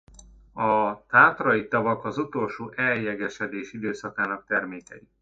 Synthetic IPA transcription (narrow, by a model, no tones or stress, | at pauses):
ɒt̪aːt̪rɒjit̪ɒvɒkɒzut̪o̞lʃoːʔɛjjɛɡɛʃɛd̪eːʃid̪øːsɒkaːnɒk̚t̪ɛrmeːkɛ̰i